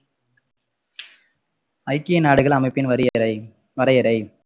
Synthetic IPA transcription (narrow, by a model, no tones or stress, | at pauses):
ɐɪkːɪjɐnaːɽɯɣɐɭɐmɐɪpːɪnʋɐɾ | ʋɐɾɐjɐɾɐɪ